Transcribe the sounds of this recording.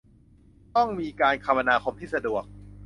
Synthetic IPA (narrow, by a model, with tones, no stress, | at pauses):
t̪ɔ˥˩ŋmiː˧kaː˧nkʰa˧mʔa˧naː˧kʰo˧mt̪ʰiː˥˩sa˧du˨˩ək̚